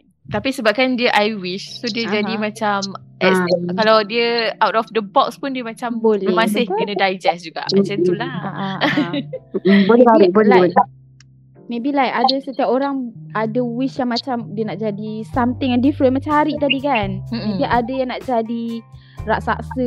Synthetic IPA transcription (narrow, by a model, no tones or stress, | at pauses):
t̪apisəbap̚kandiəʔajwiʃsodiəd͡ʒadimãt͡ʃam | ɛskalawdiəawtɔfdəbɔkspundiəmat͡ʃambolɛmasɪhkənãdajd͡ʒɛsd͡ʒuɡa̰ʔmãt͡ʃant̪ulahaʔa | bolaɾiʔbolaj | mẽbilajʔadəsət̪iapoɾaŋadəwiʃjaŋmãt͡ʃamdiənaʔd͡ʒadisamt̪ɪŋjaŋdifɾənmãt͡ʃaaɾiʔt̪adikan̩mẽbiʔadəjaŋnaʔd͡ʒadi | raʔsa̰ʔsə